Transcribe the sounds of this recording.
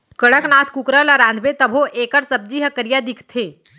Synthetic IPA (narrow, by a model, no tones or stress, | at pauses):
kəɽəknaːt̪ʰkukɾəlaɾãːnd̪ʱbet̪ɐbʱoʔeːkəɾsɐb̚d͡ʒiːɦəkəɾijad̪ɪkʰt̪ʰeː